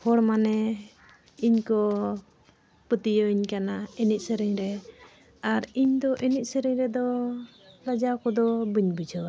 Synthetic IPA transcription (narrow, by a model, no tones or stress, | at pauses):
hɔɽmanɛ | iɲkɔ | pət̪ijəiɲkanainit̪̚səɾɛɲɾɛ | aɾiɲd̪ɔʔinit̪̚səɾɛɲɾɛd̪ɔ | ɾad͡ʒakɔd̪ɔbəɲbid͡ʒʱɔwa